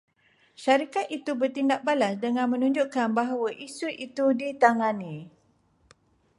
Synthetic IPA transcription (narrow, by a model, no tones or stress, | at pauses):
ʃaɾikat̪̚it̪ubərt̪indak̚balasdəŋãnmə̃nũɲd͡ʒuʔkanbaɦawaʔisuʔit̪udit̪aŋãnĩ